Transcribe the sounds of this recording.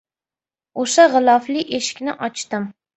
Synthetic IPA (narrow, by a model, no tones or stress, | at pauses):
oʃaʁɨlˠɒflɪʔeʃɪ̥kʲnɪʔɒt͡ʃt̪ɪm